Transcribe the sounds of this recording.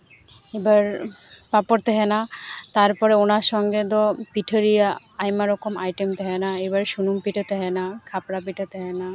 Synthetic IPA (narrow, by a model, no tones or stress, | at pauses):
ebaɾpapoɾt̪ɛɦɛnat̪aɾpɔɾeonaɾʃɔŋɡed̪ɔpiʈʰeɾijaajmaɾɔkomajʈemt̪ɛɦenaebaɾʃunumpiʈet̪eɦɛnakʰapɾapiʈet̪ɛɦɛna